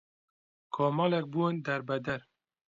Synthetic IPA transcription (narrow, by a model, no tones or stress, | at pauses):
kʰɑːmɑːlɛk̚bund̪ɛɾbɛd̪ɛɾ